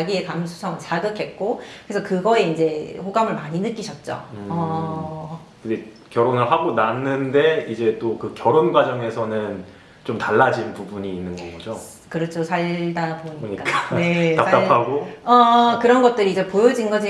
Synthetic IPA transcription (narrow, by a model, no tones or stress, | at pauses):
ɡiekamsʰu̥sʰʌŋɯnt͡ɕaɡɯkʰe̞t̚k͈okɯɾesʰʌkɯɡʌe̞ind͡ʑe̞ɸoɡamɯɭmaɲinɯk͈iɕʰʌt̚t͡ɕ͈o̰ʌ | kɯnde̞ | kjʌɾonɯɭɦaɡonanːɯnde̞id͡ʑe̞t͈okɯkjʌɾonɡwad͡ʑʌŋe̞sʰʌnɯn | t͡ɕomtaɭːad͡ʑinnpubuɲiːnːɯnɡʌɡɡʌd͡ʑo | kɯɾʌt͡ɕʰosʰaɭdaɾboɲiɲik͈ak͈ane̞tapat͈apʰaɡoʌkɯɾʌnɡʌt̚t͈ɯɾiːd͡ʑe̞pojod͡ʑinɡʌd͡ʑi